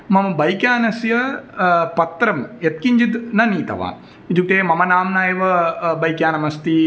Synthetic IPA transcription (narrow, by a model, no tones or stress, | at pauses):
mɐmɐbɐjkjaːnɐsjɐ | pɐt̪ɾɐmjɐt̪̚kiɲd͡ʒit̪nɐniːt̪ɐ̰ʋa̰ːn | id͡ʒuʈeːmɐmɐnaːmnaːjeʋɐbɐjkjaːnɐmɐst̪i